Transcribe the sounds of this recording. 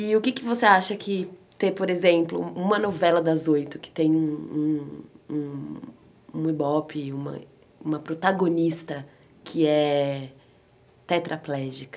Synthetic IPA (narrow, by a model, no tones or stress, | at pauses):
ɪʊkɪkɪvoseaʃɐkɪt̪epoɾezẽmplʊ̰ũmɐnovɛlɐd̪ɐzojt̪ʊkɪ̥t̪ẽj̃ũũũ | ũibɔpɪũmɐ̰ | ũmɐpɾot̪aɡonist̪ɐ | kʰɪɛ | t̪ɛt̪ɾʔaplɛʒikɐ